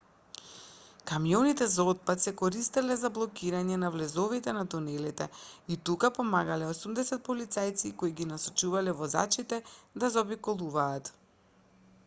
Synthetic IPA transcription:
kamijɔnit̪ɛzaɔt̪̚pat̪sɛkɔɾist̪ɛlɛzablˠɔkiɾaɲɛnavlɛzɔvit̪ɛnat̪unɛlit̪ɛ̰it̪ukapɔmaɡalɛosumd̪ɛsɛt̪̚pɔlit̪sajt̪sikoiɡinasɔt͡ʃuvalɛvɔza̰t͡ʃit̪ɛd̪azobikɔlˠuvaːt̪

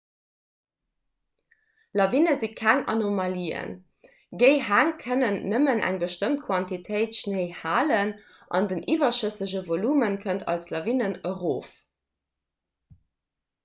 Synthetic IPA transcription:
lɑvinəzikʰæŋɑ̰nomɑliːə̰n | ɡəɪhæŋkʰənənːəmənʔæ̰ŋbəʃtəmt̚kʰwɑntitʰəɪtʃnəɪhaːlən | ʔɑ̰ndənʔivɐʃəsəʑəvolumənkʰəntɑ̰lslɑvinənəʁoːf

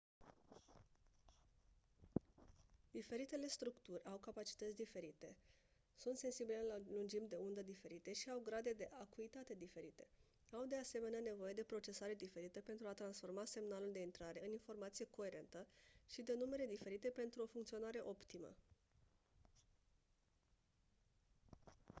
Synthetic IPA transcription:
d̪̥ife̞ɾit̪e̞le̞st̪ɾukt̪urʲawkapat͡ʃi̥t̪ət̪sʲd̪ife̞ɾit̪e̞ | sunt̪se̞nsibilelalund͡ʒimd̪e̞und̪əd̪ife̞ɾit̪e̞ʃiawɡɾad̪e̞d̪e̞ʔakuit̪at̪e̞d̪ife̞ɾit̪e̞ | awd̪e̞ase̞me̞neane̞vo̞je̞d̪e̞pɾo̞t͡ʃe̞saɾe̞d̪ife̞ɾit̪əpe̞nt̪ɾuat̪ɾansfo̞rmase̞mnaluld̪e̞int̪ɾaɾe̞ɨninfo̞rmat̪sije̞ko̞e̞ɾe̞nt̪əʃid̪e̞nume̞ɾe̞d̪ife̞ɾit̪e̞pe̞nt̪ɾuo̞fuŋkt̪sio̞naɾe̞ʔo̞pt̪imə̰

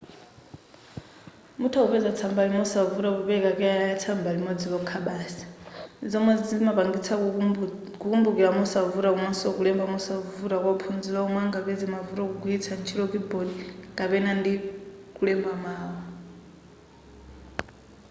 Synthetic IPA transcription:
mutʰaupɛd͡zat͡sʰambalimɔsavuɾaβuβɛkakɛaajat͡sʰambalimɔd͡ziβɔkʰaɓaːsḁnid͡zɔmwɛd͡zd͡zmapaŋɡit͡sʰa | kukumbukiɺamɔsavuɾakumwansɔkulɛmbamɔsavuɾakwaupʰund͡zilaɔmwaŋɡaβɛd͡zimavuɾɔkuɡwit͡sʰant͡ʃʰiɾɔkibɔdikʼapɛnandikulɛmbamaːwa

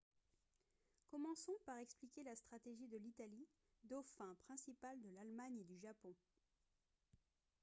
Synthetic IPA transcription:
kɔmɑ̃sɔ̃paʁɛksplikʲelast̪χat̪eʒid̪əlit̪ali | d̪ɔfɛ̃pχɛ̃sipald̪əlalmaɲed̪yʒapɔ̃

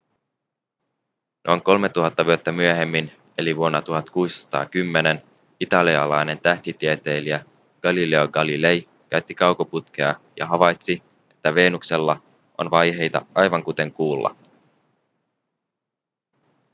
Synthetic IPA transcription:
nʔo̞̰jŋko̞lmet̪ːuɦɑt̪ːɑʋyot̪ːæmyøɦe̞mːin | e̞liʋuonːɑt̪uɦɑt̪kuːssɑ̥t̪ɑ̰ːkymːe̞ne̞n | it̪ɑliɑ̰lɑjne̞nt̪æht̪it̪iet̪e̞ːliæ | ɡ̥ɑlile̞oɡɑlile̞j | k̟æɥt̪ːikɑwkoput̪k̟eɑjɑ̰ɦɑʋɑjt̪si | e̞t̪ːæʋe̞ːnukse̞lːɑ | ʔo̞̰nʋɑjɦe̞jt̪ɑ̰ɑjʋɑŋkut̪e̞ŋkuːlːɑ̰

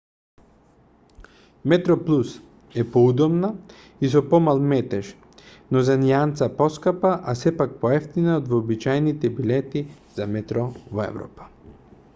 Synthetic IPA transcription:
mɛt̪ɾɔplˠus | ɛpoud̪ɔmna | isɔpɔmalˠmɛt̪ɛʃ | nɔzaniant̪sapɔskapaʔasɛpak̚pɔɛft̪inaod̪vɔːbit͡ʃajnit̪ɛbilɛt̪i | z̥amɛt̪ɾɔvɔɛ̰vɾɔ̰pḁ

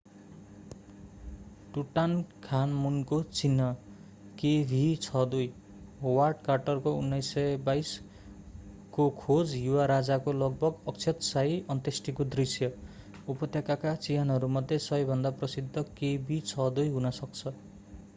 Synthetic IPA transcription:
ʈuʈankʰanmunkot͡sinːʌ | kebʱit͡sʰʌd̪uj | ɦowarɖkarʈʌrkounːʌjsːʌjbajs | kokʰod͡zjuwaɾad͡zakolʌɡ̚bʱʌɡʌkt͡sʰʌt̪sajʌnt̪esʈikod̪risjʌ | upʌt̪jakakat͡sijʌnɦʌɾumʌd̪ʱjesʌjbʱʌnd̪aprʌsid̪ʱːʌkebʱit͡sʰʌd̪ujɦunʌsʌk̚t͡sʰʌ

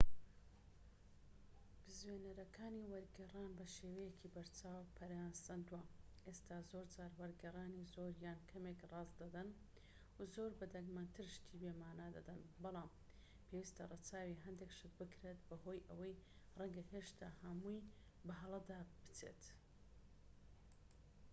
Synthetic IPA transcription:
b̥ɨzwenɐɾɐkʰaːniːwɐɾɡɛraːnbɐʃeːwɐjecʰibɐɾt͡ʃʰaːwwpʰɐɾansɐnd̪uwɐʔest̪ʰaːzo̞ɾd͡ʒaːɾwɐɾɡɐraːnizoːɾjaːnkʰɐmekrˤɑːzd̪ɐd̪ɐn | zoːɾbɐd̪ɐŋɡmant̪ʰɨɾʃt̪ʰiːbeːmaːnad̪ɐ̰d̪ɐnbɑlˠɑːm | pʰewist̪ɐrˤɐt͡saːwiɦɐnd̪ekʃɨd̪bɨkɾet̪̚bɐho̞ːjʔɐwɐjrɛŋɡɐheːʃt̪ʰa̰ːhɐmuj | bɐɦɐlˠɐd̪aːb̥ɨ̥t͡sḛt̪

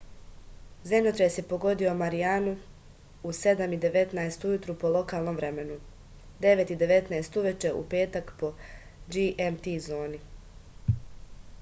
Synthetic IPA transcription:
zemʎʲot̪ɾasjepo̞ɡo̞d̪io̞maɾijaːnu | use̞d̪amid̪e̞ʋe̞t̪naest̪ujut̪ɾupo̞lˠo̞kaːlˠno̞mʋɾe̞me̞nu | d̪e̞ʋet̪id̪e̞ʋe̞t̪naest̪uʋe̞t͡ʃe̞ʔṵpe̞ːt̪akpo̞ | d͡ʒiʔemt̪izo̞ːni

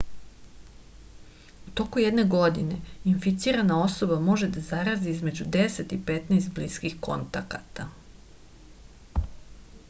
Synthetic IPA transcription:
ut̪o̞kujed̪ne̞ɡo̞d̪ine̞infit̪siːɾanao̞so̞bamo̞ʒe̞d̪azaɾaziizme̞d͡ʑud̪ese̞t̪ipet̪nest̪bliskixko̞̰nt̪akat̪a

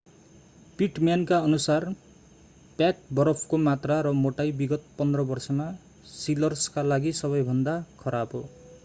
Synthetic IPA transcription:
piʈmjankaʌnusar | pjak̚bʌɾʌpʰkomat̪raɾʌmoʈajbiɡʌt̪̚pʌnd̪rʌbʌrsʌma | silʌrskalaɡisʌβʌjbʱʌnd̪akʰʌɾabɦo

